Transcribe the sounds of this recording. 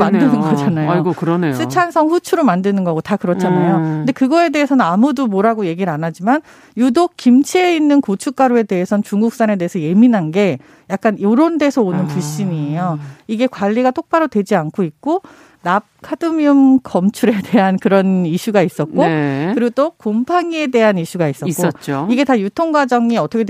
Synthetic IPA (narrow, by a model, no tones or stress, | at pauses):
manddɯnɯnɡʌd͡ʑanajɡokɯɾʌnesʰɯt͡ɕʰansʰʌŋɸut͡ɕʰuɾomandɯnɯnɡʌɡotakɯɾʌt͡ɕʰanajonde̞kɯɡʌe̞de̞ɦesʰʌnɯnamudumoɾaɡoje̞ɡiɾanad͡ʑiman | judok͈imt͡ɕʰieinːɯnkot͡ɕʰuk͈aɾoe̞de̞ɦesʰʌnt͡ɕuŋɡuk̚s͈ane̞deesʰʌje̞minɦanɡe̞ | jak̚k͈anjoɾonde̞sʰʌonɯnpuɕ͈iɲiejoiɡe̞kwaʎːiɡat͈ok̚p͈aɾodwe̞d͡ʑiankʰoik̚k͈o | nap̚kʰadɯmjɯmkʌmt͡ɕʰuɾede̞ɦankɯɾʌniɕʰuɡais͈ʌt̚kk͈okɯɾiɡotokompʰaŋie̞de̞ɦaniɕ͈ʰuɡais͈ʌk͈oʌt͡ɕ͈iɡe̞tajutʰoŋɡwad͡ʑʌŋiʌt͈ʰʌkʰe